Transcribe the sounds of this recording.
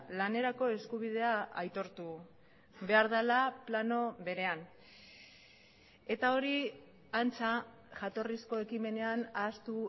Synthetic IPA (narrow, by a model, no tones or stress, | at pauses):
lane̞ɾako̞e̞skuβið̞e̞aajt̪o̞ɾt̪u | βe̞aɾð̞alaplano̞βe̞ɾe̞an | e̞t̪ao̞ɾi | ant͡sa | ʝat̪o̞risko̞e̞kime̞ne̞anaːst̪u